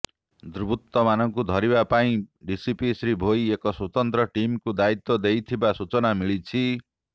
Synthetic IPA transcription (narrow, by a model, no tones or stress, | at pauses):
d̪ɾubʱut̪ːɔmanʌŋkud̪ʱʌɾibapaĩɖisipisɾibʱojekɔswot̪ɔnt̪ɾʌʈimkud̪ait̪wɔd̪ejt̪ʰibasut͡ʃɔnamiɭit͡sʰi